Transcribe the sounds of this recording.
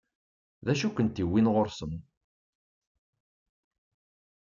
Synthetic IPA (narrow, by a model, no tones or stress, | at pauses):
ðæʃukʷənt̪iwːinʁoɾsəm